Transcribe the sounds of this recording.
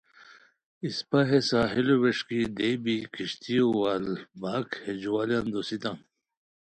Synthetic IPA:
ispɐɦesaːɦiloweʂkid̪ebikʰiɕt̪ʰiowaːlbaːkhed͡ʑuwaːljand̪osit̪ã

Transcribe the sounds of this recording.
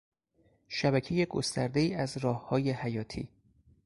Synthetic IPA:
ʃæbæcʰe̞jeɡo̰st̪æɾd̪e̞iːæzɾɒːhhɒːje̞hæjɒːt̪ʰḭː

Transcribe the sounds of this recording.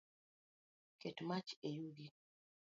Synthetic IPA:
kʰetmat͡ʃejuɡi

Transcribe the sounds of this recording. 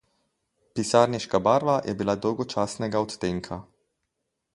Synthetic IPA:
pisaːɾniʃkabaːɾʋajʔɛbilad̪ɔwɡɔt͡ʃaːsnɛɡaɔt̪t̪eŋkʰa

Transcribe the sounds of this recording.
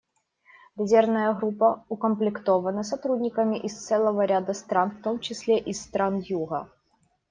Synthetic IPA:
vʲɪzʲernəjəɣɾupːəʊkəmplʲɪkt̪o̞vənəsɐt̪ɾudʲnʲɪkəmʲɪʔɪst̪sɛlˠəvəɾʲad̪əst̪ɾanft̪o̞mt͡ɕɪsʲlʲeʔɪsːt̪ɾanjuɣə̰

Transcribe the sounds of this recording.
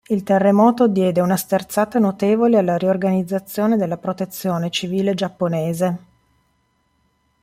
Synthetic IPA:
ilt̪erːemɔːt̪od̪jɛːd̪eunast̪ert̪saːt̪anot̪eːvolealːaɾiorɡanid̪zːat̪sːjoːned̪elːapɾot̪et̪sːjoːnet͡ʃiviːled͡ʒapːoneːze

